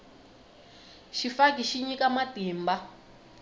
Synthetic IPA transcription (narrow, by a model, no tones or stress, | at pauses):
ʃifakiʃiɲikamatiːmba